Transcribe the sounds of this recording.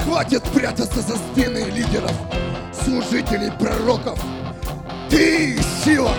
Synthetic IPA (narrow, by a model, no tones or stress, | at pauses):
xvatʲɪt̪pɾʲat̪ət̪səzɐspʲenɨlʲidʲɪɾəf | slˠʊʐɨtʲɪlʲɪjpɾɐɾokəf | t̪ɨsʲilˠɐ